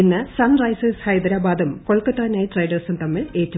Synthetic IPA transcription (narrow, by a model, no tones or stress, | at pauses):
inːɨsɐnrɐjseshɐjd̪ɐɾaːbaːd̪ɐmko̞ɭkɐtːaːnaːjiʈrɐjɖɐrsumt̪ɐmːiɭe̞ːtːu